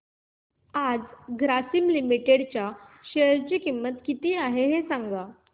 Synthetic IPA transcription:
ad͡zɡɾasimlimiʈeɽt͡ɕjaɕeɾt͡ɕikimːət̪kit̪iːaɦeɦesaŋɡa

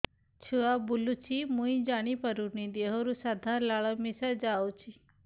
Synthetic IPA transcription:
t͡ʃʰuabulut͡ʃʰimũĩd͡ʒaɽ̃ipəɾunid̪eɦoɾusad̪ʱalaɭəmisəd͡ʒawt͡ʃʰi

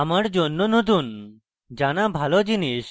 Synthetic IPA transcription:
amaɽd͡ʑonːɔnot̪̬un | d͡ʑanabʱalɔd͡ʑiniʃ

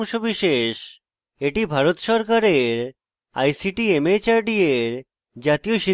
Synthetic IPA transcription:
mʃobiʃeʃ | eʈibʱaɾot̪ʃɔɾkaɾeɾ | a̰jsiʈiemet͡ɕaɾɖieɾ | d͡ʑat̪ioʃi

